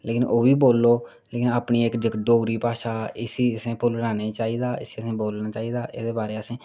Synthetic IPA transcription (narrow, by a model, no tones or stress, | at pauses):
leːkɪnoːʋiːboːlːoː | leːkɪnaːpniːɪkd͡ʒəkɖoːɡɾiːpaːʃaːɪsiːsẽːpʰʊlɾaːneːt͡ʃaːiːd̪aːɪsiːəsẽːboːlnaːt͡ʃaːiːd̪aːʔḛːd̪eːbaːɾeːəsẽː